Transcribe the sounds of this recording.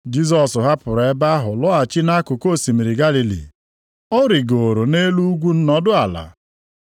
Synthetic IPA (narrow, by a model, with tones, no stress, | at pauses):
d͡ʒi˦z̬ɔ˨sʊ˨ɦa˦pʊ˨ɾe˨e˦ba˦ɦʊ˨lʊ˦a˨t͡ʃɪ˦na˦kʊ˨ko˦˨si˨mi˨ɾi˨ɡa˦li˨lḭ˨ | ɔ˦ɾi˨ɡo˨ɾo˨ne˦lu˦ɡʷu˦n̩˦nɔ˦dʊ˦a˨la̰˨